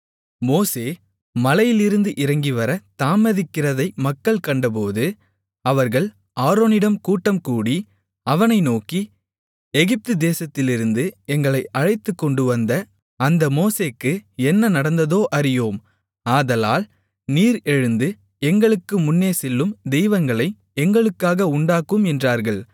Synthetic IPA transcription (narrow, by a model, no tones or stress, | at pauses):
moːseː | mɐlɐjɪlɪɾɯnd̪ɯʔɪɾɐŋɡiʋɐɾɐt̪aːmɐðɪkːɪrɐðɐɪmɐkːɐɭkɐɳɖɐp̬oːðɯ | ɐʋɐɾɣɐɭ | aːɾoːnɪɽɐmkuːʈːɐmkuːɽi | ɐʋɐnɐɪnoːki | ɛɣɪp̚t̪ɯd̪eːsɐt̪ːɪlɪɾɯnd̪ɯɛŋɡɐɭɐɪʔɐɻɐɪt̪ːɯkːɔɳɖɯʋɐnd̪ɐ | ɐnd̪ɐmoːseːkːɯɛnːɐnɐɽɐnd̪ɐðoːʔɐɾɪjoːm | aːðɐlaːl | niːɾɛɻɯnd̪ɯ | ɛŋɡɐɭɯkːɯmʊnːeːsɛlːɯmd̪ɛjʋɐŋɡɐɭɐɪ | ɛŋɡɐɭɯkːaːɣɐʊɳɖaːkɯmɛndraːɾɣɐɭ